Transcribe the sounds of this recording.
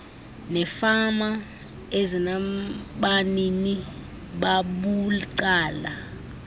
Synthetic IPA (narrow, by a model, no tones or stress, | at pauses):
nɛfama | ezinaɓanini | ɓaɓuǀaːla